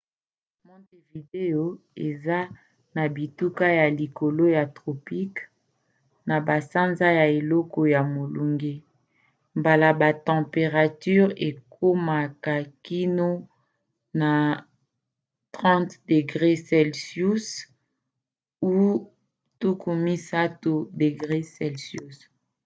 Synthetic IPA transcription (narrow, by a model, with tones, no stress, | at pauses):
mɔ̃˦te˨vi˨de˦jo˦ | e˨za˦ | na˨bi˨tu˦ka˦ja˨li˨ko˨lo˦ja˨tʁo˨pi˦k | na˨ba˨sa˦nza˦ja˨e˨lɔ˦kɔ˦ja˨mo˨lu˨ŋɡe˦ | mba˨la˨ba˨tɑ̃˨pe˨ʁa˨ty˦ʁe˨kʰo˦ma˨ka˨ki˦no˦ | na˨ | tʁɑ̃˦tde˨ɡʁe˦sɛ˨lsju˦s | u˦ | tu˦ku˨mi˦sa˦tu˨de˨ɡʁe˦sɛ˨lsju˦s